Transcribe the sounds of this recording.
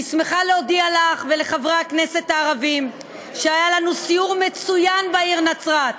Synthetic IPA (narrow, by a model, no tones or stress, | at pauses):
isme̞χaleodialaχve̞le̞χavʁakne̞se̞t̪aːʁavim | ʃeajalanusiuʁme̞t͡sujanbaiʁnat͡sʁat̪